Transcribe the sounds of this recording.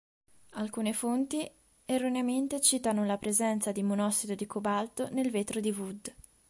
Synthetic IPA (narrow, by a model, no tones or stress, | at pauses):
alkuːnefont̪i | erːoneament̪et͡ʃiːt̪anolapɾezɛnt̪sad̪imonɔsːid̪od̪ikobalt̪onelveːt̪ɾod̪ivud̪